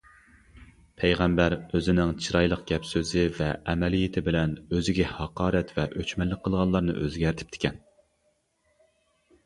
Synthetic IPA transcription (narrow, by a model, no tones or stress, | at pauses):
pʰɛjʁɛmbæɾøzɪnɪŋt͡ʃʰiɾɑjlˠəqɡ̥ʲɛpsøzɪvɛʔɛmɛlijet̪ʰɪbɪlɛnøzɪɡʲɛhɑqʰɑːɾɛt̪vɛʔøt͡ʃmɛlːɪk̚ʲqʰːəlˠʁɑnlˠɑɾnɨ̰ʔøzɡʲæɾɪt̪ʰɪ̥pt̪ʰɪ̥kʲʰɛn